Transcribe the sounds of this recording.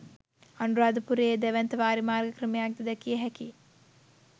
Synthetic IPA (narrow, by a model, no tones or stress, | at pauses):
anuɾaːd̪upuɾejd̪ɛʋɛnt̪əʋaːɾimaːɾɡəkrəmejak̚d̪ed̪ɛkijəɦɛki